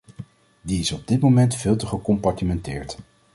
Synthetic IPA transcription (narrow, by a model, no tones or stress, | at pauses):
diɪsɔb̚dɪtmowmɛntfɪːlˠtəχəkɔmpɑɹtimɛntɪːɹt